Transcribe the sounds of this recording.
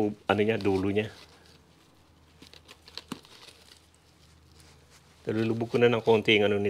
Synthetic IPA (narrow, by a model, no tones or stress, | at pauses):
anuɲad̪uluɲa | d̪alulubukunanaŋkont̪iŋanuni